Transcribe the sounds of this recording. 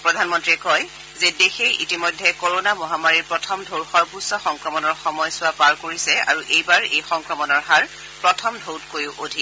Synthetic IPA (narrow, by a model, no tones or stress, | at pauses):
pɹɔdʱanmɔntɹiɛkɔj | zedexejʔitimɔjdʱːɛkoɹonamɔɦamaɹiɹpɹɔtʰɔmdʱoɹxɔɹpusɔxɔŋkɹɔmɔnɔɹxɔmɔjsʊwapaɹkoɹisɛa̰ɹuʔejbaɹejxɔŋkɹɔmɔnɔɹɦaɹ | pɹɔtʰɔmdʱowtkojʊʔodʱi